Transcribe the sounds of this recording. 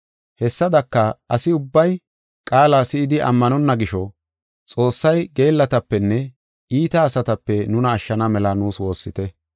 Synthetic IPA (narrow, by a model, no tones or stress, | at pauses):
hɛsːɐd̪ɐkːɐɐsɪʊbːɐj | kʼaːlaːsɪɪd̪ɪʔɐ̰mːɐnɔnːɐɡɪʃɔ | t͡sʼo̞ːsːɐjɡe̞ːlːɐt̪ɐpːɛnːɛ | iːt̪ɐːsɐt̪ɐpːɛnʊnɐːʃːɐnɐmɛlɐnuːswo̞ːsːɪt̪ɛ